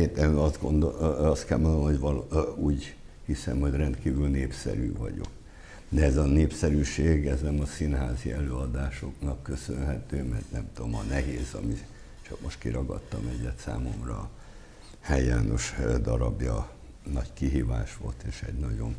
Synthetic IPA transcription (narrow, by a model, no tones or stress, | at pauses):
et̪ɛt̪ɡondɒst̪kɛlmond̪omhoɟʋɒluːɟ | hisɛ̰mho̞ɟrɛnt̪kiːvylneːpsɛ̰ɾy̰ːvɒɟo̞̰k | d̪ɛɛzɒneːpsɛɾyːʃeːɡɛznɛmɒsinɦaːziʔɛløːɒd̪aːʃo̞knɒkːø̞sønɦɛt̪øːmɛrt̪nɛmt̪uomɒnɛɦeːzɒmi | t͡ʃɒkmoʃt̪kiɾɒɡɒ̰t̪ːɒmɛɟɛt̪sa̰ːmo̞mrɒ | hɛjːa̰ːno̞ʃd̪ɒɾɒbjɒ | nɒɟkiɦiːvaːʃʋo̞lt̪eːʃɛɟnɒɟo̞n